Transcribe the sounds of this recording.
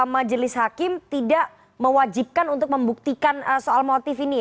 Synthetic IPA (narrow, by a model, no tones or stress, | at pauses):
mad͡ʒəlɪshakɪmt̪idaʔ | məwad͡ʒip̚kanunt̪ʊk̚məmbuk̚t̪ikanəsoalmot̪ɪfini